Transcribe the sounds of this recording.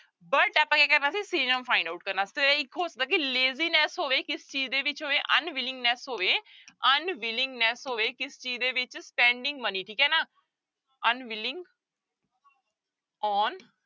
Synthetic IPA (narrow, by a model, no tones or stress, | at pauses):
bəʈaːpãːkɛːkəɾnaːsiːsiːnəmfʰaːɪ̃ɳɖaːuʈ̚kəɾnaːsi̥ːt̪eɪkʰːoːsəd̪aːkileːziːnɛsɦoːʋeːkɪst͡ʃiːd͡ʒd̪eːʋɪt͡ʃɦoːʋeːʔənʋɪlɪ̃ŋɡnɛsɦoːʋeːənʋɪlɪ̃ŋɡnɛsɦoːʋeːkɪst͡ʃiːd͡ʒd̪eːʋɪt͡ʃspɛ̃ːɳɖɪ̃ŋɡməniːʈʰiːkɛːnaː | ənʋɪlɪ̃ŋɡ | ɔːn